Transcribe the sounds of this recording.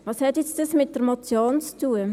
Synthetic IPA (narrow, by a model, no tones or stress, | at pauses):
vɑːshɛtjɛt͡stɑsmɪt̚d̥əɾmɔt͡sjoːnt͡stuə